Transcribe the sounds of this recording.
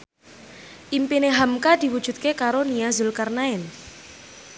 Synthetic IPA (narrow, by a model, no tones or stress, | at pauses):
ʔimpineɦamkad̪̥i̤wud̥ʒ̥ṳt̪̚kekaɾoniazulkarnaɛn